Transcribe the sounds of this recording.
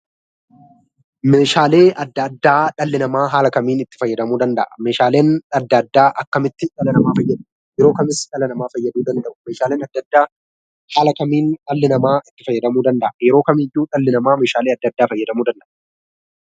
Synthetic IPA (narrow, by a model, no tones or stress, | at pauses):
meːʃaːle̞ːʔɐd̪ːɐd̪ːaːᶑɐlːɪnɐmaːɦaːlɐkɐmiːnɪt̪ːɪ̥fɐjːɐd̪ɐmuːd̪ɐnd̪ɐʔɐmeːʃaːle̞ːnɐd̪ːɐd̪ːaːʔɐkːɐmɪt̪ːɪᶑɐlɐnɐmaːfɐjːɐd̪ʊ | jɛɾo̞ːkɐmɪsᶑɐlɐnɐmaːfɐjːɐd̪uːd̪ɐnd̪ɐʔʊ̥meːʃaːleːnɐd̪ːɐd̪ːaː | haːlɐkɐmiːnᶑɐlːɪnɐmaːʔɪt̪ːɪ̥fɐjːɐd̪ɐmuːd̪ɐnd̪ɐʔɐjɛɾo̞ːkɐmɪjuːᶑɐlːɪnɐmaːme̞ːʃaːleːɐd̪ːɐd̪ːaːfɐjːɐd̪ɐmuːd̪ɐnd̪ɐʔɐ̥